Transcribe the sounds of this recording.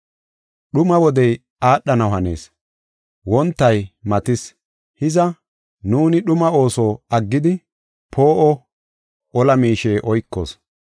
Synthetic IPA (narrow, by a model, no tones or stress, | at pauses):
ɗʊmɐwɔd̪ɛj | aːɗːɐnɐwhɐne̞̰ːs | wɔnt̪ːɐjmɐt̪ɪs | hɪzɐ | nuːnɪɗʊmɐo̞ːsɔːɐɡːɪd̪ɪ | pʰo̞ːʔɔ | ʔɔlɐmiːʃe̞ːʔɔjkːo̰ːs